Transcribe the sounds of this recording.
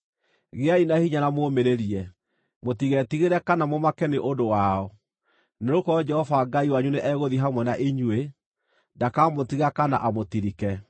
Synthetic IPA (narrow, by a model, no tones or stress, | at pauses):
ɣeainahiɲaɾamoːmeɾeɾiɛ | motiɣɛtiɣeɾɛkanamomakɛneʔodowaɔ | neɾokɔɔd͡ʒɛhɔvaɡaiwaɲuneʔɛɣoðiɦamwɛnaʔiɲwe | dakamotiɣakana̰ʔamotiɾikɛ